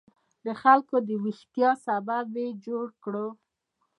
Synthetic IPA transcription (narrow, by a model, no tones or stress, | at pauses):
d̪əxalkod̪əwixt̪jɑsababed͡ʒoɽkɽo